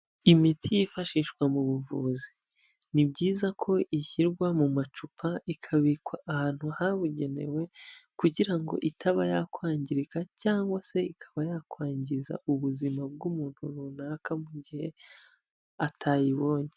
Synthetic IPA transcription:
imitʰijifaʃiːʃwamuβuvuːzi | nibɟiːzakʰo̞ʔiçiɾɡwamumat͡ʃupʰaikʰaβikwaʔːhaːn̥huhaβuɟe̞ne̞̰we̞kuɟiɾaŋɡo̞̰ʔitʰaβajakwaːɲɟiɾikacaːŋɡwase̞ikʰḁβajakwaːɲɟiza̰uβuzimab̚ɡumuːn̥huɾuːnaːkamuɟihe̞ | atʰaːjiβo̞ːɲe

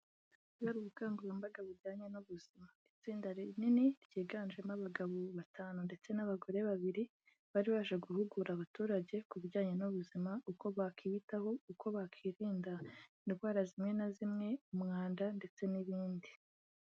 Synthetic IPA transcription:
ɡaɾuβukaːŋɡuɾembaɡaβiɾɟaːɲe̞nuβuz̥imait͡siːndaɾininiɾjiːɡaːnʒemaβaɡaβoβatʰaːnunde̞t͡se̞naβaɡo̞ɾe̞βaβiɾi | βaɾiβaːʃeɡuhuɡuɾaβatuːɾaɟe̞kuβiɾɟaːɲe̞nuβuzimauko̞βakʰiːβitaho̞uko̞βakʰiːɾiːndaniβwaːɾazimŋe̞nazimŋe̞umŋaːndande̞t͡se̞niβiːndi

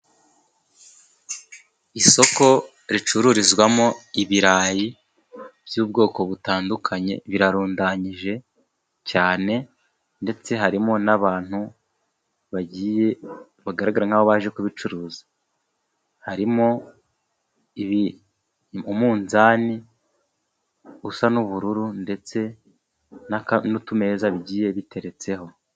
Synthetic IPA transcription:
iso̞ko̞ | ɾit͡ʃuɾuɾizɡwamo̞iβiɾaːji | bjuːb̚ɡo̞ːko̞βutaːndukʰaɲe̞̰βiɾaɾuːndaɲiʒe̞ | caːne̞ | nde̞t͡se̞ɦaɾimo̞naβaːn̥hu | βaɟiːje | βaɡaɾaɡaɾaŋ̥aβo̞βaːʒe̞kuβit͡ʃuɾuːzḁ | haɾimo̞ | iβi | umuːnzaːni | usanuβuɾuɾunde̞t͡se̞ | naknutume̞ːzaβiɟiːje̞βite̞ɾe̞t͡se̞ho̞

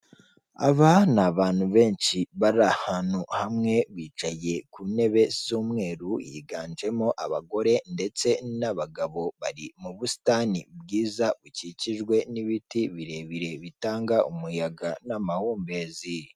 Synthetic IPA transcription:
a̰βanaβaːnhuβe̞ːnʃiβaɾahanuhamŋe̞βiːt͡ʃaje̞kune̞βe̞suːmŋe̞ːɾujḭɡaːnd͡ʒe̞moʔaβaɡo̞ɾe̞nde̞t͡se̞naβaɡaβo̞βaɾimuβusi̥tanibɡiːzaβuciciʒɡwe̞niβitiβiɾe̞βiɾe̞βitaːŋɡaʔumujaɡanamahuːmbe̞zii

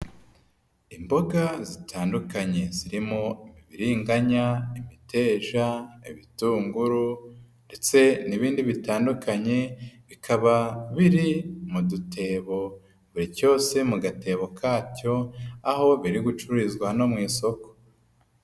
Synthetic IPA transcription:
imbo̞ɡazitʰaːndukaɲe̞ziɾimo̞iβiβiɾiːŋɡaɲaimitʰe̞ːʒaiβituːŋɡuɾu | nde̞t͡se̞niβiːndiβitaːndukaɲe̞βikʰaβaβiɾimudutʰe̞ːβo̞ | βuɾico̞ːse̞muɡate̞ːβo̞kʰaːco̞aho̞βiɾiɡut͡ʃuɾizɡwano̞mŋiːso̞ko̥

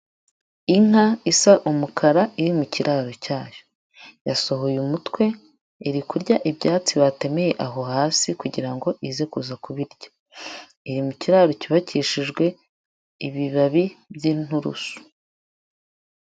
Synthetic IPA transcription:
iŋ̥haisaʔumukʰaɾaʔiɾimuciɾʔaɾo̞caːjo | jaso̞ɦo̞jumutwe̞ | iɾikuɾɟaʔibɟaːt͡siβate̞meje̞ʔaɦo̞haːsikuɟiɾaŋɡo̞ʔize̞kuzakuβiɾɟḁ | iɾimuciɾaɾociβaciʃiʒɡwe̞ | iβiβaβibɟiːn̥uɾṵsu̥

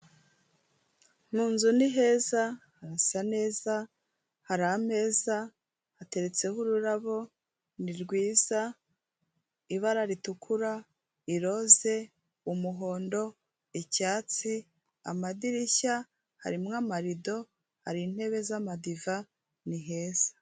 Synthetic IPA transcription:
muːnzuniɦe̞ːzahaɾasane̞ːza | haɾaːm̥e̞ːza | hate̞ɾe̞t͡se̞huɾuɾaβo̞ | niɾɡwiːz̥a | iβaɾaɾitukʰuɾa | iɾo̞ze̞ | umuɦo̞ːndo̞ | icaːt͡si | a̰madiɾiça | ha̰ɾimŋamaɾido̞ | haɾin̥he̞βe̞zamadiva | niɦe̞ːz̥ḁ

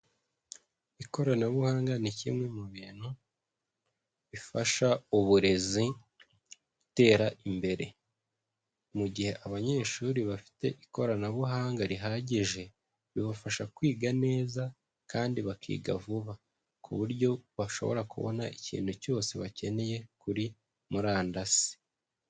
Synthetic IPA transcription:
iko̞ɾanaβuhaːŋɡanicḭmŋe̞muβiːn̥hu | βifaʃauβuɾe̞zi | βute̞ːɾaʔimbe̞ɾe̞̰ | muɟihe̞ʔaβaɲe̞ːʃuɾiβafi̥te̞ʔiko̞ɾanaβuɦaːŋɡaɾiɦaɟiʒe̞ | βiβafaʃakwiːɡane̞ːza | kaːndiβakʰḭːɡavuβa | kʰṵβuɾjo̞βaʃo̞̰βo̞̰ɾakṵβo̞̰naʔicḭːnuco̞ːse̞βace̞ne̞je̞kuɾi | muɾaːndasi̥

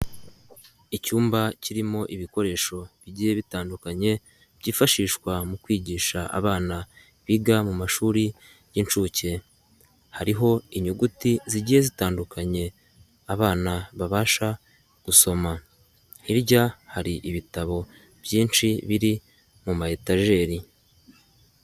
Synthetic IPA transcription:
icuːmbaciɾimo̞ʔiβiko̞ɾe̞ːʃo̞βiɟiːje̞βitaːndukaɲe̞ | βɟiːfaʃiːʃkwamukwiːɟiːʃaʔa̰βaːna | βiɡamumaʃuːɾi | jint͡ʃuce̞ | haɾiɦo̞iɲuɡutiziɟiːje̞zitaːndukʰaɲe̞ | aβaːnaβaβaːʃa | ɡ̥uso̞ma | iɾɟahaɾiʔiβitaβo̞ | b̥jiːnʃiβiɾi | mumahetaʒe̞ːɾi

